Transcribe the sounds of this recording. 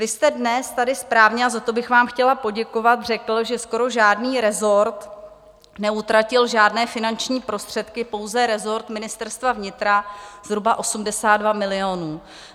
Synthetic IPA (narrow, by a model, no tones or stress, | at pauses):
vɪst̪ɛdnɛst̪adɪspɾaːvɲɛazat̪o̞bɪxvaːmxcɛlapo̞ɟɛko̞vat̪r̝ɛkl̩ʒɛsko̞ɾo̞ʒaːdniːɾɛzo̞ɾt̪ | nɛut̪ɾacɪlʒaːdnɛːfɪnant͡ʃɲiːpɾo̞st̪r̝̥ɛt̪kɪpo̞wzɛɾɛzo̞ɾt̪mɪnɪst̪ɛɾst̪vavɲɪt̪ɾaz̥ɦɾubaʔo̞sumdɛsaːd̪dvamɪlɪonuː